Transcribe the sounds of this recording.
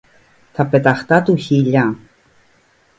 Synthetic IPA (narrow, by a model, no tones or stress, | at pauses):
t̪ʰapet̪aχt̪at̪uçiʎa